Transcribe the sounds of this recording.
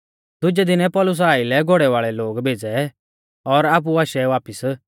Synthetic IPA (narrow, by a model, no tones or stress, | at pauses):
d̪ʊd͡ʒɛd̪ɪnɛpɔlʊs̬aːilɛɡʱoɽɛʋaːɭɛloːɡbʱeːd͡zɛ | ɔɾaːp̬uaːʃɛʋaːpɪs